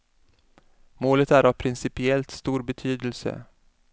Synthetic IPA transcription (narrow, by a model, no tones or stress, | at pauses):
moːlət̪æɾavpʰɾɪnsɪpɪɛlt̪st̪uːɾbɛt̪ʰyːd̪əlsə̰